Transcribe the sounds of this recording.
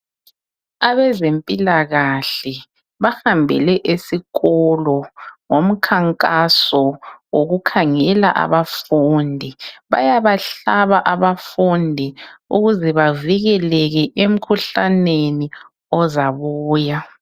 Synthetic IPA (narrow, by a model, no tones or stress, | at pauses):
aβɛzempʼilaɣaɬɛ | βahambʱɛ̰lɛʔesiɣɔlɔŋom̩kʰaŋkʼasɔwoɣukʰaŋɛla̰ʔa̰βafundʱiβa̰jaβaɬaβaʔaβafundʱiuɣuzɛβaviɣɛlɛɣɛʔem̩kʰuɬaneni | ɔzaβuːja